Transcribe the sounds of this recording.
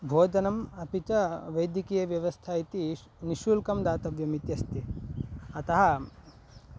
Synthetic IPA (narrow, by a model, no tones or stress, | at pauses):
bʱoːd̪ɐnɐmɐpit͡ʃɐʋɐjd̪jɐkiːjɐʋjɐʋɐst̪ʰait̪i | niʃuːlkɐmd̪aːt̪ɐʋjɐmit̪jɐst̪i | ɐt̪ɐɦɐ